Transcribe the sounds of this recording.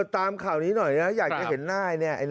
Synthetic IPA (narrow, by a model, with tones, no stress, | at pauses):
t̪ːaː˧mkʰaː˨˩wniː˦˥nɔ˨˩jna˦˥jaː˨˩k̚t͡ɕa˨˩ɦe˩˦nːaː˥˩jni˦˥˩ɐʔa˧